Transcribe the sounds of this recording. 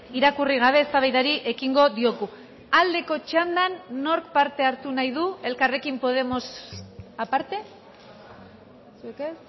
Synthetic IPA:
iɾakuriɣ̞aβ̞e̞ːst̪aβajðaɾiʔe̞kiŋɡo̞ðio̞ɣu | ald̪e̞ko̞t͡ʃand̪anːo̞ɾkpaɾt̪e̞aɾt̪unajðue̞lkare̞kimpo̞ð̞e̞mo̞sapaɾt̪e̞ | suekes

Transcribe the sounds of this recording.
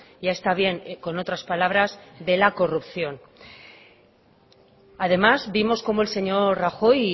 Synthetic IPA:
ʝae̞st̪aβje̞ŋko̞no̞t̪ɾaspalaβ̞ɾazðe̞lako̞rupθjo̞n | að̞e̞mazbimo̞sko̞mo̞e̞lse̞ɲo̞ɾraxo̞j

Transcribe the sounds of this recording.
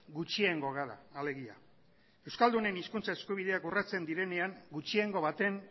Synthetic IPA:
ɡut͡ʃieŋɡo̞ɣaɾa̰ːle̞ɣia̰ | e̞wskald̪une̞niskunt͡sae̞skuβ̞ið̞e̞akurat͡se̞nd̪iɾe̞ne̞aŋɡut͡ʃieŋɡo̞βat̪e̞ŋ

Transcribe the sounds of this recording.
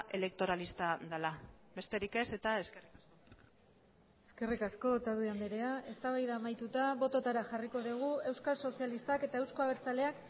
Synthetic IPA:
ʔe̞le̞kt̪o̞ɾalist̪aðalabe̞st̪e̞ɾike̞set̪ae̞skerikasko | e̞ske̞rikasko̞t̪aðuiand̪eɾe̞aʔe̞st̪aβajðaːmajt̪ut̪aβo̞t̪o̞t̪aɾaʝariko̞ðiɣ̞ue̞wskalso̞sialist̪ake̞t̪ae̞wsko̞aβ̞eɾt͡sale̞ak

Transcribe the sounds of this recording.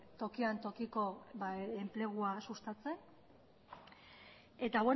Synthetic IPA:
t̪o̞kiant̪o̞kiko̞βaemple̞ɣ̞uasust̪at͡se̞ | et̪aβwe

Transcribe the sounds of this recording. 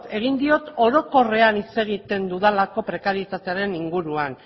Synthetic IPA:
t̪e̞ɣ̞ind̪io̞t̪o̞ɾo̞ko̞re̞anit͡se̞ɣ̞it̪e̞nd̪uðalako̞pɾe̞kaɾijet̪at̪e̞aɾe̞niŋɡuɾuan

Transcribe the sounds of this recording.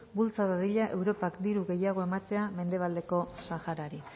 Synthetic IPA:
bult͡saðaðiʎaʔe̞wɾo̞pakd̪iɾuɣe̞jaɣ̞o̞e̞mat̪e̞ame̞nd̪e̞β̞ald̪e̞ko̞saxaɾaɾi

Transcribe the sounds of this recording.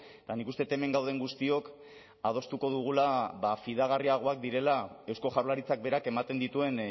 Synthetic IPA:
t̪anikust̪et̪e̞me̞ŋɡawð̞e̞ŋɡust̪io̞k | að̞o̞st̪uko̞ðuɣ̞ulaβafiðaɣ̞ariaɣ̞o̞ak̚d̪iɾe̞lae̞wsko̞ʝaɾlaɾit͡sak̚be̞ɾake̞mat̪e̞nd̪it̪ue̞n

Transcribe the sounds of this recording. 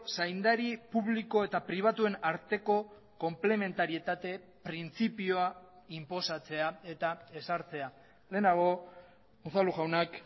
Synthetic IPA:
sajnd̪aɾipuβliko̞e̞t̪apɾiβ̞at̪ue̞naɾt̪e̞ko̞ | ko̞mple̞me̞nt̪aɾie̞t̪at̪e̞ | pɾint͡sipioa | impo̞sat͡se̞ae̞t̪ae̞saɾt͡se̞a | le̞ːnaɣ̞o̞ | uθaluɣawnak

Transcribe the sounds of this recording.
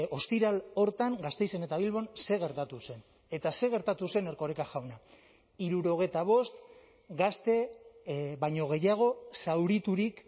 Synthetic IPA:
o̞st̪iɾalo̞ɾt̪aŋɡast̪e̞jse̞ne̞t̪aβ̞ilβo̞nse̞ɣ̞e̞ɾt̪at̪use̞n | e̞t̪ase̞ɣ̞e̞ɾt̪at̪use̞ne̞ɾko̞ɾekaʝawna | iɾuɾo̞ɣ̞e̞jt̪aβ̞o̞st̪ | ɡast̪e̞ | βajɲo̞ɣ̞e̞jaɣ̞o̞sawɾit̪uɾik

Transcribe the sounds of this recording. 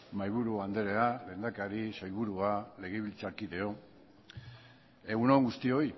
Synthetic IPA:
majβuɾuand̪e̞ɾe̞ale̞ːnd̪akaɾisajβ̞uɾuale̞ɣ̞eβilt͡saɾkiðe̞o̞ | e̞ɣunoŋɡust̪io̞i

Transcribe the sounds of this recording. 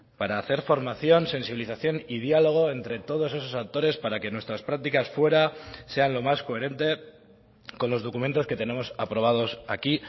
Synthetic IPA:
paɾaːθe̞ɾfo̞ɾmaθjo̞nse̞nsiβiliθaθjo̞nið̞jalo̞ɣ̞o̞e̞nt̪ɾe̞t̪o̞ð̞o̞se̞s̬o̞saw̚t̪o̞ɾe̞spaɾake̞nwe̞st̪ɾaspɾak̚t̪ikasfwe̞ɾase̞anlo̞masko̞e̞ɾe̞nt̪e̞ | ko̞nlo̞zð̞o̞kument̪oske̞t̪e̞ne̞mo̞sapɾo̞β̞að̞o̞sa̰ki

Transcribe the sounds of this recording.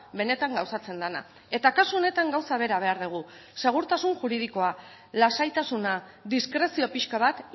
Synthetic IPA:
be̞ne̞t̪aŋɡawsat͡se̞nd̪ana̰ | e̞t̪akasuo̞ne̞t̪aŋɡawsaβ̞e̞ɾaβ̞e̞aɾðuɣ̞u | se̞ɣ̞uɾt̪asunʝuɾið̞iko̞a | lasajt̪asunad̪iskɾe̞sio̞piʃkaβat̪

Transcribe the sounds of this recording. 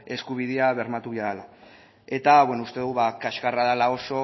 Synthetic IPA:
e̞skuβ̞iðeaβe̞ɾmat̪uβaala | e̞t̪aβwe̞noust̪e̞ðuβakaʃkaraðalao̞so̞

